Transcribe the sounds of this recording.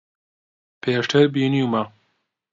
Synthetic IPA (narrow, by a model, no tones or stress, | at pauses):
pʰeːʂʈʰɐɾbiːnuːma